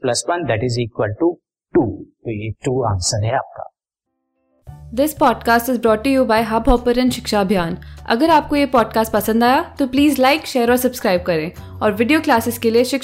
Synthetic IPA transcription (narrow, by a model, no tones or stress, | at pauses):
plɐswɐ̃nd̪æʈɪziːkwəlʈu | ʈuːt̪oːjeʈuːã̰ːnsəɾɦɛa̰ːp̚ka̰ː | d̪ɪspɔːɖkaːsʈɪzbɾɔːʈːujuːbaːɪɦabɔːpəɾɛ̃nʃɪkʃabʱjaːnʔɐ̰ɡəɾaːp̚kojepɔːɖkaːsʈ̚pɐsə̃nd̪aːjat̪opliːzlaɪkʃeːəɾɔːɾsɐbskɾaːɪb̚kɐɾẽː | ɔːɾʋɪɖijoːklaːsɪskelieʃɪk